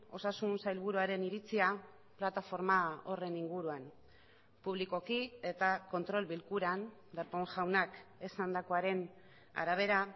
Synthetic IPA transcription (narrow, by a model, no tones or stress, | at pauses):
o̞sasunsajlβuɾuaɾe̞niɾit͡sia | plat̪afo̞ɾmao̞re̞niŋɡuɾuan | puβ̞liko̞kie̞t̪ako̞nt̪ɾo̞lβilkuɾan | d̪eɾpo̞ŋʝawnake̞sand̪ako̞aɾe̞n | a̰ɾaβ̞e̞ɾa